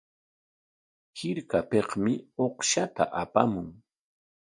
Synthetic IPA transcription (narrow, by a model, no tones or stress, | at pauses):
hɪɾkapeqmɪoχʃat̪a̰ʔapamʊŋ